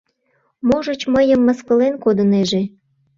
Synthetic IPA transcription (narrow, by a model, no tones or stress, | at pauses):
moʒət͡ɕməjəmːəskəlenkod̪əneʒe